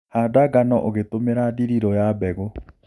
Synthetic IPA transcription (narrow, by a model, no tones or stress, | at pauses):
hadaɡanɔʔoɣetomeɾadiɾiɾɔjabɛɣo